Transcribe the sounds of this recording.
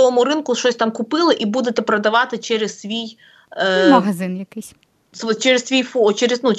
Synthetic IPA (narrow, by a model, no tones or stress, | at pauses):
ɔʋɔmʊɾɪnkʊʃt͡ʃɔsʲt̪ɑmkʊpɪlˠɪʔibud̪et̪ɛpɾɐd̪ɐʋɑt̪ɪt͡ʃɛɾez̥sʲʋʲij | mɐɦɐzɪnjɐkɪsʲ | st͡ʃɛɾessʲʋʲijfɔt͡ʃɛɾeznu